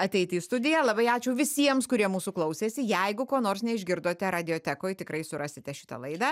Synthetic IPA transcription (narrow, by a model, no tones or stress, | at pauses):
ɐt̪ʲɛɪt̪ʲiːst̪ʊd̪ʲɪjɛlˠɐbɐɪɑːt͡ʃʲɛʊʋʲɪsʲiɛmskʊɾʲiɛmuːsuklˠɐʊsʲeːsʲɪjɛɪɡʊkoːnoːɾsnʲɛɪʒʲɡʲɪɾd̪oːt̪ʲɛɾɑːd̪ʲɪoːt̪ʲækoːjtʲɪkɾɐɪsʊɾɑːsʲɪt̪ʲɛʃʲɪ̥t̪ɐ̰lˠɐɪd̪ɑː